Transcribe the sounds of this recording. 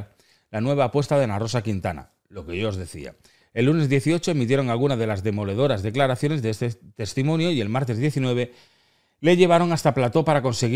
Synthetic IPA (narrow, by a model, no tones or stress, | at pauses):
lanwe̞β̞aːpwe̞st̪aðe̞naro̞sakint̪ana̰ | lo̞ke̞ʝoozðe̞θḭa̰ | e̞lːune̞zðje̞θio̞t͡ʃo̞e̞mit̪je̞ɾo̞ŋalɣunað̞e̞lazðe̞mo̞le̞ð̞o̞ɾazðe̞klaɾaθjo̞ne̞zðeest̪et̪e̞st̪imõ̞njo̞ie̞lmaɾt̪e̞zðje̞θinwe̞β̞e | le̞ʎe̞β̞aɾo̞ŋast̪aplat̪o̞paɾako̞nse̞ɣ